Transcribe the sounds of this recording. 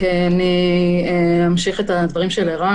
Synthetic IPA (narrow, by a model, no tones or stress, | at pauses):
eaniemamʃiχet̪ad̪vaʁimʃeleʁa